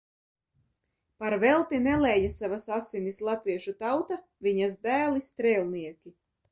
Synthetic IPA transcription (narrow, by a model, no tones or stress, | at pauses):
paɾvɛlˠt̪inɛlˠɛːjasavasasinislˠat̪viɛʃut̪awt̪a | viɲazd̪æːlist̪ɾɛːlʲˠniɛkʲi